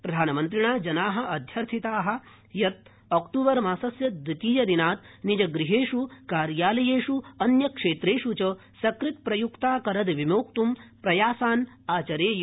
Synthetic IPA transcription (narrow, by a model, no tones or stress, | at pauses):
pɾɐd̪ʱaːnɐmɐnt̪ɾiɳaːd͡ʒɐnaːɦɐ̆ɐd̪ʱjɐɾt̪ʰit̪aːɦɐ̆ | jɐt̪̚ | ɐkʈuːʋɐɾmaːsɐsjɐd̪ik̪iːjɐd̪inaːt̪nid͡ʒɐɡɾiɦeːʂukaːɾjaːlɐjeːʂuɐnjɐkʂeːt̪ɾeːʂut͡ʃɐ | sɐkɾit̪̚pɾɐjukt̪aːkɐɾɐd̪ʋimoːkt̪umpɾɐjaːsaːn | aːt͡ʃɐɾeːj